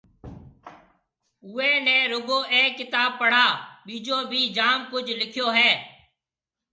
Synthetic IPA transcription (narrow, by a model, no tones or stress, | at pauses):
ʊːeːnɛ̃ːɾʊɡoːʔeːkːɪt̪aːb̚pːəɽ̤aːɓiːd͡ʒoːbʱiːd͡ʒaːmkʊd͡ʒʱlɪkʰjoːɦɛː